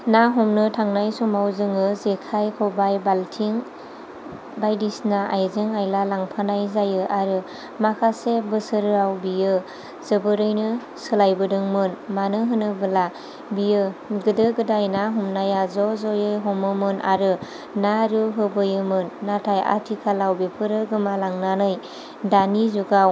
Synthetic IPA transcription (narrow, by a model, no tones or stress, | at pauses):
naɦɔmnɯtʰaŋnajsɔmawzɯŋɯzekʰajkʰɔbajbaltʰiŋ | bajdisnaajzɯŋajlalaŋpʰanajzajɯʔaɾɯ | makʰasebɯsɯɾɯawbijɯ | z̥ɯbɯɾɯjnɯ | sɯlajbɯdɯŋmɯnmanɯɦɯnɯbɯla | bijɯɡɯdɯɡɯdajnaɦumnajazɔzɔjɯjɦɔmɯmɯnʔa̰ɾɯ | naɾɯɦɯbɯjɯmɯnːatʰaja̰tʰikʰalawbepʰɯɾɯɡɯmalaŋnanɯj | danizuɡaw